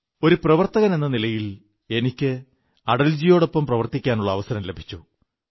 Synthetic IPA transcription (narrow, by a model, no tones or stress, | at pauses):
o̞ɾuprɐʋɐrt̪ɐɣɐne̞nːɐnilɐjil | e̞nikʲːɨ | ɐɽɐld͡ʑijo̞ːɽo̞pːɐmprɐʋɐrt̪ikʲːaːnuɭːɐːʋɐsɐɾɐmle̞bʱi̥t͡ɕːu